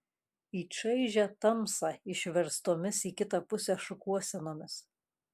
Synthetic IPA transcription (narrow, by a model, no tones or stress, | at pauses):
iːt͡ʃɐɪʒʲæt̪ɐmsɑɪʃʲʋʲɛɾst̪oːmʲɪsiːkʲɪt̪ɑpʊsʲɛʃʊkuɔsʲɛnoːmʲɪs